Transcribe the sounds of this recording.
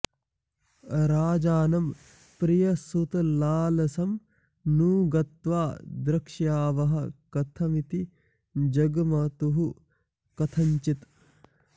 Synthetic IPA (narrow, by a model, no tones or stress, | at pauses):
ɾaːd͡ʒaːnɐm | pɾijɐsut̪ɐlaːlɐsɐm | nuːɡɐt̪ʋaːd̪ɾɐkʂjaːʋɐɦɐkɐt̪ʰɐmit̪i | d͡ʒɐɡmɐt̪uɦu | kɐt̪ʰɐɲt͡ʃit̪